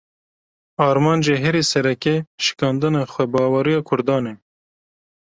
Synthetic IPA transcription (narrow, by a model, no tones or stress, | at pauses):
ɑːɾmɑːnd͡ʒeːɦɛɾisɛɾɛkeʃɪ̥kɑːnd̪ɨnɑːxʷɛbɑːwɑɾijɑːkʰʊɾd̪ɑːne